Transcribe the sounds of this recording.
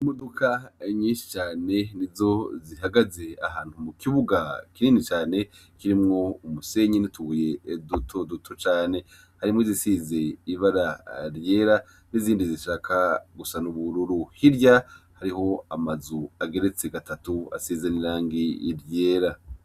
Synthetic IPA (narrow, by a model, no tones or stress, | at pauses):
modukʰaɲiːnʃi̥t͡ʃaːne̞nizo̞ziɦaɡaze̞a̰ɦaːn̥humukiβuɡakiniːnit͡ʃaːne̞ | kiɾimŋo̞umuse̞ɲinitʰuuje̞ːdutʰo̞dutʰot͡ʃaːne̞ | haɾimŋozisize̞iβaɾaɾje̞ːɾa | niziːndiziʃaːkʰaɡusanuβuɾuɾuhiɾjahaɾiho̞amazuaɡe̞ɾe̞t͡se̞ɡatatua̰sizeniɾaːŋɡḭɾje̞ːɾa